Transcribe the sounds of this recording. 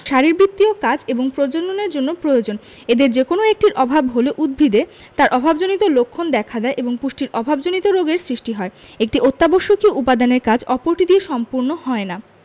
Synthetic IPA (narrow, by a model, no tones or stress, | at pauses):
ʃaɾiɾbɾit̪ːiokad͡ʑeboŋpɾod͡ʑononeɾd͡ʑonːopɾojod͡ʑon | ed̪eɾd͡ʑekonoek̚ʈiɾʔɔbʱabɦoleʔud̪̚bʱid̪et̪aɾʔɔbʱabd͡ʑonit̪olokʰːond̪ɛkʰad̪ɛeʔeboŋpuʃʈiɾɔbʱabd͡ʑonit̪oɾoɡeɾsɾiʃʈiɦɔeek̚ʈiʔot̪ːaboʃːokiʔupad̪aneɾkad͡ʑɔpoɾʈid̪ieʃɔmpuɾnohɔena